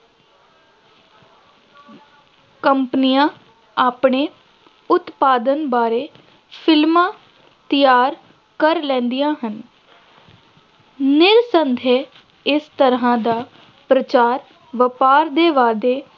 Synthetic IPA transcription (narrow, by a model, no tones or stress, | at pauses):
kəmpnijãː | aːpɳeː | ʊt̪paːd̪ənbaːɾeː | pʰɪlmãː | t̪ɪjaːɾ | kəɾlɛ̃ːnd̪ijãːɦən | nɪɾsənd̪ʱeː | ɪst̪əɾɦãːd̪aː | pɾət͡ʃaːɾ | ʋəpaːɾd̪eːʋaːd̪eː